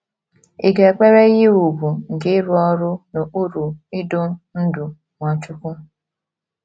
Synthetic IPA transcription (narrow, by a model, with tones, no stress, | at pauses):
i˨ɡe˨k͡pe˦ɾe˦ɣɪ˦u˨bu˨ŋ̩˨ɡɪ˦ɾʊ˦ɔ˦ɾʊ˦no˨ʔu˦ɾu˨i˦do˦n̩˦dʊ˨ | ŋʷa˨t͡ʃʊ˦kʷʊ˦